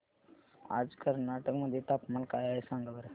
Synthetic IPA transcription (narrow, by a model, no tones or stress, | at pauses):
a̰ːd͡ʒkɐlnaːʈəkmãd̪et̪apmɐlkaːjasãːŋɡɐʋɐɾ